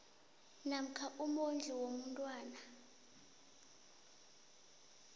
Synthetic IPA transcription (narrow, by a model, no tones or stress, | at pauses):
nam̩kʰaʔumond͡ɮʱiwomuntʼwaːna